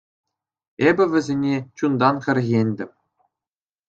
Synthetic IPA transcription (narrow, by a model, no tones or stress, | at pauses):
ebʲɘ̆ʋʲɘ̆zʲenʲet͡ɕund̪ɑnχʲɘ̆rʲɣʲenʲd̪ʲɘ̆mʲ